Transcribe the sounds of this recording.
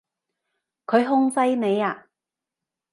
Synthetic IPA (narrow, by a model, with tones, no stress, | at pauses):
kʰɵ˨˧ɥɦʊ˥ŋsɐ˥jne˨˧jaː˧